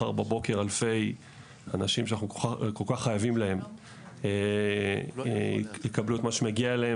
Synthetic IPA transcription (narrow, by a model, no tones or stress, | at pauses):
a̰ʁbabo̞ke̞ʁalfe̞j | anaʃimʃanaχnukolkaχːajavimlahe̞m | e | ekabluet̪maʃemaɡiaelee